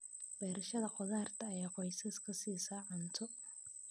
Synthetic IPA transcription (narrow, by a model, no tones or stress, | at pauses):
b̥ɛːɾɐʃɐðɐqɔðaːrt̪ʰɐːjaːqɔjsɐskʰɐsiːsaːʕɐnt̪ʰɔ